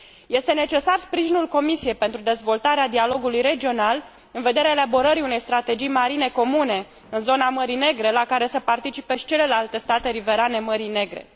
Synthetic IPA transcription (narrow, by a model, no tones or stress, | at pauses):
je̞st̪e̞ne̞t͡ʃe̞sarspɾiʒinulko̞misije̞jpe̞nt̪ɾud̪e̞zvo̞lt̪aɾead̪ialo̞ɡulujɾe̞d͡ʒio̞nal | ɨnve̞d̪e̞ɾeaeabo̞ɾəɾiune̞jst̪ɾat̪e̞d͡ʒijmaɾine̞ko̞mune̞ | ɨnzo̞naməɾine̞ɡɾe̞lakaɾe̞səpart̪it͡ʃipeʃi̥t͡ʃe̞le̞lalt̪e̞st̪at̪e̞ɾive̞ɾane̞məɾine̞ɡɾe̞̰